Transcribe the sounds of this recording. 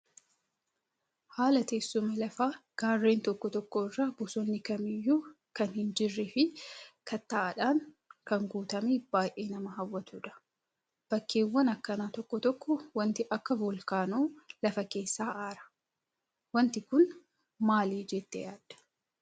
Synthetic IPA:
haːlɐt̪eːsːʊmɐlɐfaːɡ̥aːrːe̞ːnt̪ɔkːɔt̪ɔkːoːɪrːaːbʊsɔnːɪkɐmɪjːuː | kɐnhɪnd͡ʒɪrːɪfɪkʰɐt̪ːaːʔɐᶑaːŋ | kɐŋɡuːt̪ɐmeːb̥aːjʔe̞ːnɐmɐɦɐwːɐt̪uːᶑɐ̥ | b̥ɐkːe̞ːwːɐnɐkːɐnaːt̪ɔkːɔt̪ɔkːɔwɐnt̪ɪʔɐkːɐbʊlkaːnuːlɐfɐke̞ːsːaːʔaːɾɐ̥ | wɐnt̪ɪkʊn | maːliːd͡ʒɛt̪ːɛ̰jaːd̪ɐ̥

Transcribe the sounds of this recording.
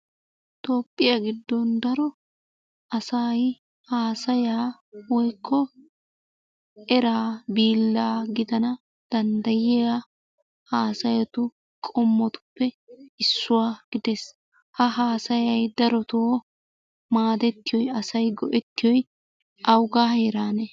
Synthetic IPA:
t̪o̞ːpʼːɪjaɡɪd̪ːɔnd̪ɐɾɔ | ɐsaːj | haːsɐjaː | wɔjkʰːɔ | ɛɾaːbiːlːaːɡɪd̪ɐnɐ | d̪̥ɐnd̪ɐjɪa | haːsɐjɐt̪ʊ | kʼɔmːɔt̪ʊ̥pːɛ | ɪsːʊwaːɡ̥ɪd̪es | hɐɦaːsɐjɐjd̪ɐɾɔt̪oː | maːd̪ɛt̪ːɪjɔjɐsɐjɡɔ̰ʔɛt̪ːɪjɔj | ʔɐwɡaːhɛːɾaːnɛ

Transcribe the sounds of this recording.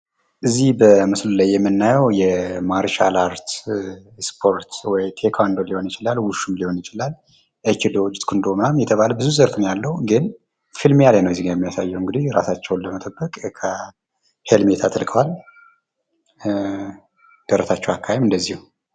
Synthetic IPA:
ʔɨzːihbəmɨslulajːɛmːɨnːajɛwjɛmaɾʃa̰laɾt̪ | spʰo̞ɾt̪wɔjt̪ʰekʰand̪oliho̞njɪt͡ʃɪlalwʊʃumliho̞njɪt͡ʃɪlal | ʔet͡ʃid̪od͡ʒt̪ʼkʰɨnd̪o̞mnamjɛt̪ʰəβaləbɨzuzəɾfɨnjalːəhuɡɨn | fɨlmjalajnəwjɛzːiɡjɛmːijasajːɛwɨŋɡɨd̪iɾa̰sat͡ʃːɛwnləmət̪ʼəbːəkʼkʰə | helmet̪ʰat̪ʰʼəlkʰʼəwal | d̪̥əɾəsat͡ʃːɛwakʰːahemɨnd̪əzːihu

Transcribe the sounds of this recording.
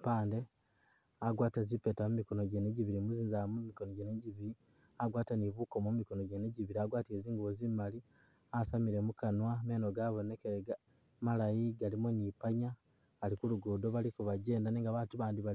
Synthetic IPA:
paːnde̞ | aɡwaːtazipe̞tamumiko̞noɟeneɟiβiɾimuziːnzamumikonoɟeneɟiβiɾi | aɡwaːtaniβuko̞momiko̞no̞ɟeneɟiβiɾiaɡwaːtieziːŋɡuβozimali | asamiɾe̞mukanwame̞ːno̞ɡaβo̞ne̞keɾeɡa | malajiɡalimonipaɲaː | likuluɡuːdo̞βalikuβaɟe̞ːndaneːŋɡaβaːtuβaːndiβa

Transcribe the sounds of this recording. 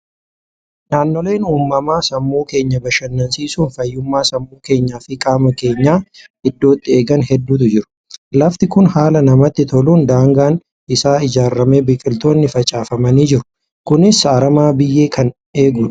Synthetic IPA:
naːnːɔle̞ːnuːmːɐmaːsɐmːuːke̞ːɲːɐbɐʃɐnːɐnsiːsuːnfɐjːʊmːaːsɐmːuːke̞ːɲːaːfɪkʼaːmɐke̞ːɲːaːɪd̪ːo̞ːt̪ːɪe̞ːɡɐnɦɛd̪ːuːt̪̬ʊd͡ʒɪɾʊ̥ | lɐft̪ɪkʊnhaːlɐnɐmɐt̪ːɪt̪ɔluːnd̪aːŋɡaːn | ɪsaːɪd͡ʒaːɾːɐmeːbɪkʼɪlt̪o̞ːnːɪfɐt͡ʃʼaːfɐmɐniːd͡ʒɪɾʊ̥ | kʊnɪsɐːɾɐmaːbɪjːe̞ːkʰɐn | e̞ːɡʊn

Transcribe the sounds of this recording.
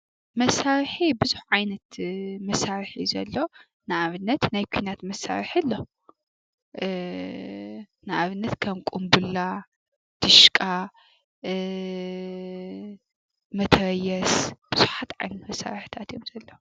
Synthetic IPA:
mɐsaɾħibɨzuħʕajnɐt̪mɐsaɾħizɐ̰lːo̞ | naaβɨnːɐt̪najkʷʰinat̪mɐsa̰ɾħilːo | naʔaβɨnːɐt̪kʰɐmkʼumbula | d̪̥ɨʃkʼa | mɐt̪ʰɐɾɐjɛsb̥ɨz̥uħat̪ʕa̰jnɐt̪mɐsa̰ɾħt̪ʰat̪ʰjomz̥ɐlːɐw

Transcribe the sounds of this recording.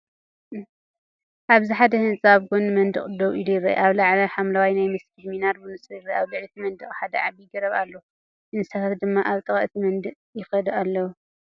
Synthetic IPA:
ʔaβziħad̪ɐhɨnsʼaβɡunmɐnd̪ɨ̰χʼd̪oβilujɪɾɐ̰ʔʔaβlaʕlɐħamlawajnajmɨskʰid̪minaɾbunɨsɾjirɐaβlɨʕlit̪ʰimɐnd̪ɨχʼħad̪ɐʕaβijɡɐɾɐβalːo | ʔɨnsat̪ʰat̪d̪ɨmːaʔaβt̪ʼɨχʼɐ̰ʔt̪ʰimɐnd̪ɨqʼjɪxɐd̪alːɐwu

